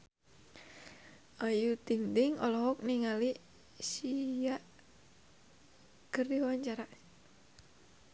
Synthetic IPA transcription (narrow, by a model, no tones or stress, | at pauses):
ʔajut̪iŋd̪ɪŋɔ̰lɔɦɔk̚niŋali | siaʔ | kərdiwawaɲt͡ʃaɾa